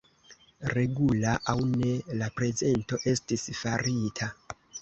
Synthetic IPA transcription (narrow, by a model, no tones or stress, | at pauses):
ɾe̞ɡulaʔawne̞lapɾe̞ze̞nto̞ʔe̞stisfaɾitʰa